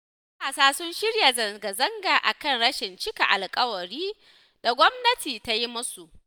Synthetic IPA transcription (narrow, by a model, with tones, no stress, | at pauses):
kaː˨saː˦sʊ˦nʃɪ˦ɽja˨zɐ˨ŋɡa˨zɐ˦ŋɡa˨ʔa̰˨kɐ˦˨ŋɽɐ˦ʃɪ˨nt͡ʃɪ˦ka˨ʔa˨lkʼɐ˦wɐ˨ɽiː˦ | d̥a˨ɡʷɔ˦mnɐ˦tiː˨ta˦ji˦mʊ˦su˨ʔ